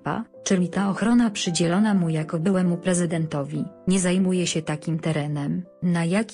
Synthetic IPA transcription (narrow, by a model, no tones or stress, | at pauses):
pa̰t͡ʂɘlʲit̪aɔxɾɔnapʂɘd͡ʑɛlɔnamujakɔbɘwɛmupɾɛzɘd̪ɛnt̪ɔvʲiɲɛzajmujɛɕɛt̪akʲimt̪ɛɾɛnɛm | najakʲ